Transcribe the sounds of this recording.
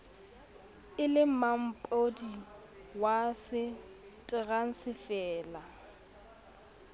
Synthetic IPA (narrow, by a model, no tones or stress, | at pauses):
ɪlɪm̩mam̩pʼodi | wasɪ | tʼɪɣaŋ̩sɪfɛːla